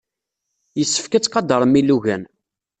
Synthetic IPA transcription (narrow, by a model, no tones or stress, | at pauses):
jəsːə̥fkət͡sːqɑd̪ɑɾˤəmiluʝæ̰n